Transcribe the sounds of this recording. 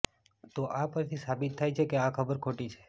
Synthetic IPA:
t̪oʔapəɾt̪ʰisabit̪ʰːajt͡ʃʰekeakʰəbəɾkʰoʈit͡ʃʰe̥

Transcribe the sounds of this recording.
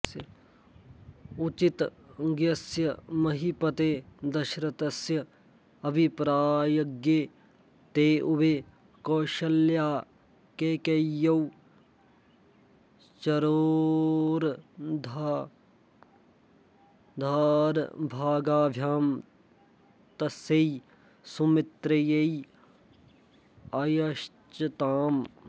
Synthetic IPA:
jɐ | ut͡ʃit̪ɡjɐsjɐmɐɦipɐt̪eːd̪ɐʃɾɐt̪ɐsjɐ | ɐbʱipɾaːjɐɡjeː | t̪eːʔube | koːʃɐljaː | keːkejɐw | t͡ʃɐɾo | ɾd̪ʱa | d̪ʱaːɾbʱaːɡaːbʱjaːm | t̪ɐsɐi | sumɪt̪ɾɐjɐi | ɐjɐʃ | t͡ʃɐt̪aːm

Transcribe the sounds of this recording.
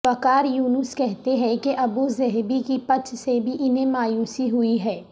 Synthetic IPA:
ɐkaːɾjuːnʊskɛɦt̪eɦɛ̃keʔɐbuzɛɦbikipɐt͡ʃʃʰsebʱiʔɪnẽmaːjuːsiɦʊiɦɛː

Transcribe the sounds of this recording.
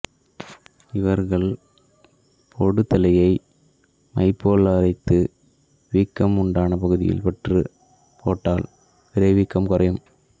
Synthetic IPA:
ɪʋɐɾɣɐɭ | pʰɔɽɯt̪ːɐlɐjɐɪ | mɐ̰ɪpːoːlɐɾɐɪt̪ːɯ | ʋiːkːɐmʊɳɖaːnɐpɐɣɯðɪ̰jɪ̰lpɐʈrɯ̰ | pʰo̰ːʈːaːl | ʋɪɾɐɪʋiːkːɐmkʊrɐjɯm

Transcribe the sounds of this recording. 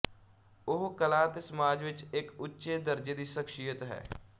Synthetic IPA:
ʊɦkəlaːt̪eːsəmaːd͡ʒʋɪt͡ʃɪkʊtːʃeːd̪əɾd͡ʒeːd̪iːʃəkʃijət̪ɦɛ̰ː

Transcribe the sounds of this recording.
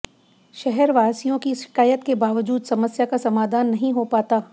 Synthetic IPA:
ʃɛɦɛɾʋaːsijõkiʃɪ̥kaːjət̪kebaːʋəd͡ʒuːd̪sɐməsjakasɐmaːd̪ʱaːnːɐɦĩɦopaːt̪aː

